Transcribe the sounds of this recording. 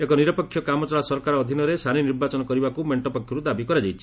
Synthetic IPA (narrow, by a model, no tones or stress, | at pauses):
ekɔniɾɔpɔkʰjɔkamɔt͡ʃɔɭasɔɾkaɾɔːd̪ʱinɔɾesaniniɾbat͡ʃɔnɔkɔɾibakumeɳʈɔpɔkʰjɔɾud̪abikɔɾad͡ʒajt͡ʃʰi̥